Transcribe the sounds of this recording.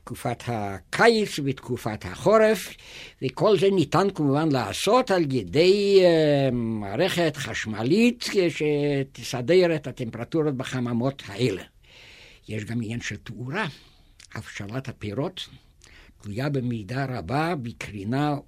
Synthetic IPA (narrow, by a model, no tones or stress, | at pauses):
tkufat̪hakʰajit͡svet̪kufat̪ha̰χoɾef | vekolzenit̪ankumuvanlaa̰ːsot̪aljed̪ej | maːɾeχet̪χaʃmalit̪eʃet̪isadeɾet̪at̪empeʁat̪uɾot̚beχamamot̪haʔele | jeʃɡaminjanʃelt̪uɾa | ha̰fʃalat̪hapeɾot̪ | tlujabemid̪aɾababikɾina